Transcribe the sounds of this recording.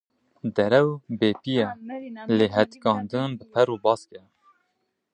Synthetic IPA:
d̪ɛɾɛwbeːpijɛleːɦɛt̪kɑːnd̪ɨnbɨpʰɛɾubɑːskɛ

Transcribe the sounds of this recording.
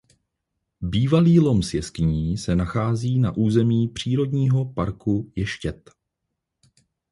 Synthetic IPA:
biːvaliːlo̞msjɛskɪɲiːsɛnaxaːziːnaʔuːzɛmiːpr̝̥iːɾo̞dɲiːɦo̞paɾkujɛʃcɛt̪

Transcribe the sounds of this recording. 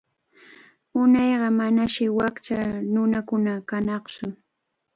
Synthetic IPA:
ʊnɑjɢɑmanaʃɪwakt͡ʃanʊnakʊnakanɑχt͡ʃʊ

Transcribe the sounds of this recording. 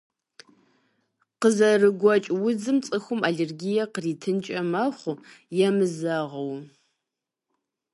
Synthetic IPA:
qəzɐrɨɡʷɔt͡ʃʼwʊd͡zɨmt͡sʼɨxʷʊmaɮerɡijɐqəriːtʰɨnt͡ʃʼɐmɐχʷʊjɛmɨzaʁɐw

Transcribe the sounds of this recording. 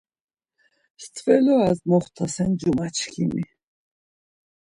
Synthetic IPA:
st̪ʰvɛlɔazmɔχt̪ʰasɛnd͡ʒumat͡ʃʰkʰimi

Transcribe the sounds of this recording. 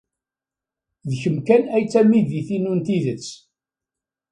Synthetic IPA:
ðçəmkænæjt͡sːæmiðiθinunt̪iðət͡sː

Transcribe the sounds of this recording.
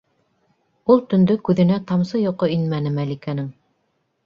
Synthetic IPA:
ulˠt̪ɵ̆nd̪ɵkʉðɘ̆næt̪ɑmsɤjŏqɤinmænɘmælikænɘŋ

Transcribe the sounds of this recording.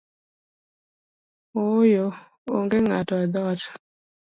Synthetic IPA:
ojo | o̰ŋɡeŋatɔɛd̪ɔt

